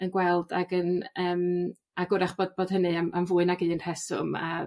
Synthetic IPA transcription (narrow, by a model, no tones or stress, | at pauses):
ənɡwɛlˠda̰ɡənəːm | aɡʊɾaχb̥oːd̚boːd̥hənɨamamvʊːɨnaɡiːənr̥ɛsʊ̰ma̰